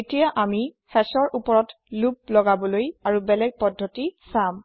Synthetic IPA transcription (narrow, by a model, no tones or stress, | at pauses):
etijaʔamixɛsɔɹʔupɔɹɔt | lup̚lɔɡabɔlojaɹubɛlɛɡ̚pɔdʱːɔtisam